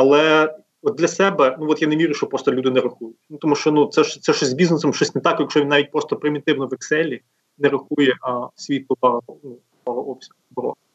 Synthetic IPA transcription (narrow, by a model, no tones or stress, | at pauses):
ɐlˠɛ | ɔt̪d̪̚d̪lʲɐsɛbɛnuʋɔt̪janeʋʲiɾʲʊʃt͡ʃɔpɾɔst̪ɔlʲud̪ɪnɛɾɐxujʊtʲnut̪ɔmuʃt͡ʃɔnut̪sɛʃt̪sɛʃt͡ʃɔzʲzʲbʲiznesɔmʃt͡ʃɔsʲnɛt̪ɑkjɐkʃt͡ʃɔʋʲinːɑʋʲit̚ʲpɾɔst̪ɔpɾɪmʲit̪ɪwnɔʋɛksɛlʲi | nɛɾɐxujɛʔsʲʋʲit̪ˠʊpɑɾɐnu | pɐɾɐʔɔpsʲɐ | bɾɔ̰t̪